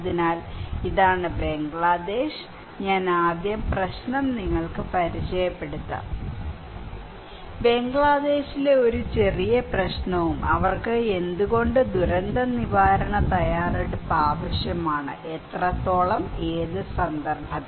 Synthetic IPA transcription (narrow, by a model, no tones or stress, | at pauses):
ðinaːliðaːɳɨbe̞ŋɡɭaːd̪e̞ːɕ | ɲaːnaːd̪jɐmprɐɕnɐmniŋːɐɭkɨpɐɾit͡ɕɐjɐpːe̞ɽut̪ːɐ̰ | be̞ŋɡɭaːd̪e̞ːɕileo̞ɾut͡ɕe̞rijɐprɐɕnɐʋumɐʋɐrkɨe̞nd̪uɣo̞ɳɖɨd̪uɾɐnd̪ɐniʋaːɾɐɳɐt̪ɐjaːreɽupːaːʋɐɕjɐmaːɳɨ̰ʔet̪rɐt̪ːo̞ːɭɐme̞ːðɨsɐnd̪ɐrbʱɐð